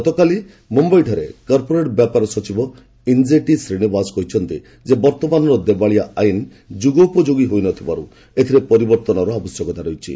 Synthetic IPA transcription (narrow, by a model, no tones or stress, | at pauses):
ɔt̪ɔkali | mɔmbɔjʈʰɔɾekɔɾpoɾeʈbjapaɾɔsɔt͡ʃibɔ | ind͡ʒeʈisɾiɽ̃ibasɔ̥kɔɦit͡ʃʰɔnt̪i | d͡ʒebɔɾt̪ɔmanɔɾɔd̪ebaɭiaain | d͡ʒuɡɔupɔd͡ʒoɡiɦojnɔt̪ʰibaɾṵ | et̪ʰiɾepɔɾibɔɾt̪ɔnɔɾɔabɔsjɔkɔt̪aɾejt͡ʃʰḭ